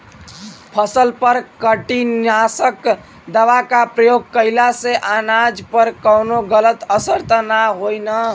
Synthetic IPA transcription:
pʰəsəlpəɾkəʈinasək | d̪əʋakapɾəjoɡ̚kəɪlaseʔanad͡ʒpəɾkəwnoɡələt̪əsəɾt̪ənaɦojnə

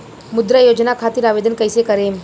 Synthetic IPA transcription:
mʊd̪ɾajoːd͡ʒnakʰaːt̪iɾaːʋeːd̪ənkəɪsekəɾeː

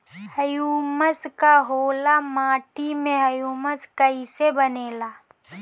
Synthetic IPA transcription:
hɐjuːməskaɦoːlamaːʈimẽɦɐjuːməskɐisebɐneːlaː

